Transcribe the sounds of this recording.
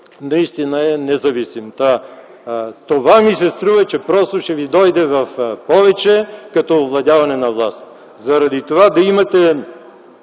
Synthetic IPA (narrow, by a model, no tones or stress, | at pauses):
nɐist̪inəɛnɛzɐvisimt̪a | t̪ovamisɛst̪ɾuvɐt͡ʃɛpɾɔst̪oʃɛvid̪ɔjd̪ɛvɐfpɔvɛt͡ʃɛkɐt̪ɔovlˠɐd̪javɐnɛnɐvlˠast̪ | zɐɾɐd̪it̪ovad̪ɐimɐt̪ɛ